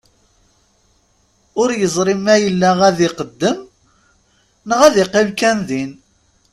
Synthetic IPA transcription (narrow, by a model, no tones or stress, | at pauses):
ʊɾjəzˤɾˤimæjəlːæʁæðɪqəd̪ːəm | nəʁæðɪqːɪmkænðin